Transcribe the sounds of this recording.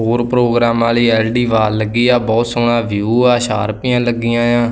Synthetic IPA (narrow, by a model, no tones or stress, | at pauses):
ɦoːɾpɾoːɡɾaːmaːliːɛːlɖiːʋaːɾləɡːiːãːbɔːt̪sʊɽaːʋjuːaːʃa̰ːɾpɪːãːləɡːiːãːjãː